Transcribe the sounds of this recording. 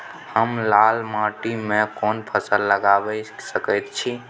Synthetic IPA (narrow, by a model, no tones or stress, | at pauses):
həmlalmãʈimẽkɔnpʰəsəlːəɡabɛsəkəjt̪̚t͡ʃʰi